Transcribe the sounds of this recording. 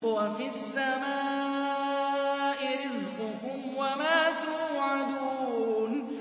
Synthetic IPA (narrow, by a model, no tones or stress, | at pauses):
wafiasːamaː | ʔɪɾɪzqʊkʊmwamaːt̪uʕad̪uːn